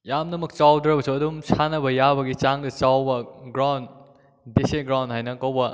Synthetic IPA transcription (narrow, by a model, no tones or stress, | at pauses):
jamnɐmɐk̚t͡ʃawdɾɐbɐsʰuɐdumsʰanɐbɐjabɐɡit͡ʃaŋdɐt͡ʃawbɐɡɾawn | deseɡɾawndɦajnɐkɐwbɐ